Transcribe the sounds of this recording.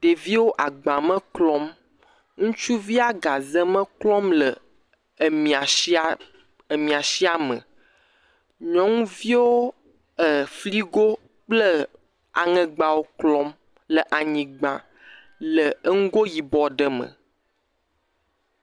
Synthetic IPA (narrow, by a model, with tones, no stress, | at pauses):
ɖ̥e˨vi˦wo˦ʔa˨ɡ͡bã˨mə̃˦klɔ̃˦m | ŋũ˦t͡ʃu˦vi˦a˦ɡa˨zə̃˦mə̃˦klɔ̃˦mlə˨ | mĩ˨a˨i˦a˦ | ə˨mĩ˨a˨ʃi˦a˦mə̰̃˨ | ɲɔ̃˨˦ŋũ˦vi˦wo˦ | ə˨fli˦ɡo˦ | k͡plə˦ | a̰˨ŋə̃˨ɡ͡ba˨wo˦klɔ̃˦m | lə˨ʔa˨ɲĩ˨ɡ͡bã˨ | lə˨ə˦ŋũ˦ɡo˦ji˨bɔ˨ɖə˨mə̰̃˨